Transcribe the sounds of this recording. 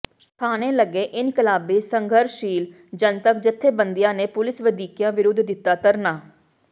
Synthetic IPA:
kʰaːneːləɡːeːʔɪnkəlaːbeːsəŋɡʱəɾʃiːl | d͡ʒənt̪ək̚d͡ʒɪt̪ʰːeːbənd̪ɪjãːneːpʊlɪsʋəd̪iːkjãːʋɪɾʊd̪ʱd̪ɪt̪ːaːt̪əɾnaː

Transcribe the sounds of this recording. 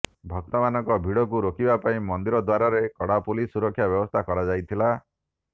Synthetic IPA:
bʱɔk̚t̪ɔmanɔŋkɔbʱiɽɔk̬uɾokibapaĩmɔnd̪iɾɔd̪waɾaɾekɔɽapulisuɾɔkʰːjabjɔbɔst̪ʰakɔɾad͡ʒajt̪ʰila

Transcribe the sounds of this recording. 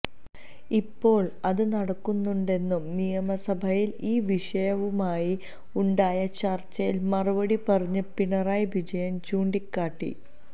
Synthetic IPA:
ipːo̞ːɭɐðɨnɐɽɐkːunːuɳɖe̞nːumnijɐmɐsɐbʱɐjiliːʋiʂɐjɐʋumaːji | uɳɖaːjɐt͡ɕɐrt͡ɕːɐjilmɐrubɐɽipɐrɐɲːɐpiɳɐraːjʋid͡ʑɐjɐmt͡ɕuːɳɖikːaːʈːḭ

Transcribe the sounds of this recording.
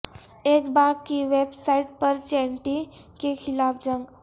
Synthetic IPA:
ekbaɡ̚kiʋebsaiʈ̚pəɾt͡ʃeɳʈi | kekʰilafd͡ʑəŋɡ

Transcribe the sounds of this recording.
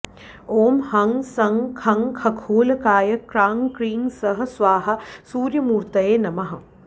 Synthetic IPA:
oːmhɐŋsɐŋkʰɐŋkʰɐkʰoːlɐkaːjɐkɾaːŋkɾiːŋsɐɦɐ̆sʋaːɦɐ̆suːɾjɐmuːɾt̪ɐjeːnɐmɐɦɐ

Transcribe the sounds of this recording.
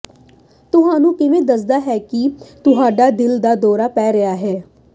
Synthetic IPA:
t̪ʊɦãːnũːkɪʋẽːd̪əs̬d̪aːɦɛːkit̪ʊɦaːɖaːd̪ɪld̪aːd̪ɔːɾaːpɛːɾəjaːɦɛː

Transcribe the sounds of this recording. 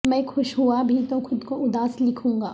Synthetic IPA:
mɛ̃ːxʊʃɦuabʱit̪oxʊd̪koʊd̪aːslɪkʰũːŋɡaː

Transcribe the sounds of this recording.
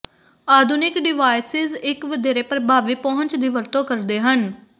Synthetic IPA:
aːd̪ʱʊnɪkɖɪʋaːɪsɪzɪkʋəd̪eːɾeːpɾəbʱaːʋiːpɔɦʊ̃ɲt͡ʃd̪iːʋəɾt̪õːkəɾd̪eːɦən

